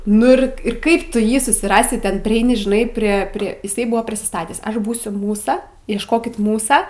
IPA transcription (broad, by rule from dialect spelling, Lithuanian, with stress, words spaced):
nʊ ɪr ˈɪr ˈkɐɪp ˈtʊ ˈjiː sʊsʲɪˈrɑːsʲɪ ˈtʲɛn pʲrʲɪˈɛɪnʲɪ ʒʲɪˈnɐɪ pʲrʲiɛ ˈpʲrʲiɛ jɪˈsɐɪ ˈbʊʋoː pʲrʲɪsʲɪˈstɑːtʲæːs ˈɐʃ ˈbuːsʲʊ ˈmuːsɐ iɛʃˈkoːkʲɪt ˈmuːsɐ